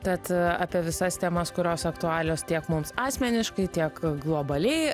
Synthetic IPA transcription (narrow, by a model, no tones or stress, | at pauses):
b̪ʲɛt̪ɑːpʲiɛʋʲɪsɐst̪ʲɛmɐskʊɾʲoːsɐkt̪ʊɑːlʲoːst̪ʲiɛkmʊmsɑːsʲmʲɛnʲɪʃkɐɪt̪ʲiɛkɡlˠoːbɐlʲɛɪ